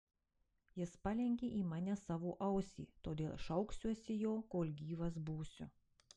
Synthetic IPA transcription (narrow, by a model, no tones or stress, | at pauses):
jɪspɑlʲɛŋʲɡʲeʔiːmɑːnʲɛsɑːʋoːʔɐʊsʲḭːt̪oːd̪ʲeːlˠʃɐʊksʲuɔsʲɪjoːkoːlʲɡʲiːʋɐs̬buːsʲʊ̰